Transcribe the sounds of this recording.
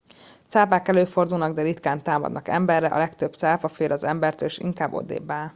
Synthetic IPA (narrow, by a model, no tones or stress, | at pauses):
t̪saːpaːkɛløːfo̞rd̪ulnɒɡd̪ɛɾit̪kaːnt̪aːmɒ̰d̪nɒkɛ̰mbɛrːɛʔɒ̰lɛkt̪øb̚t̪saːpɒfeːlʔɒzɛmbɛrt̪øːleʃḭŋkaːbːo̞̰d̪ḛːbːaːl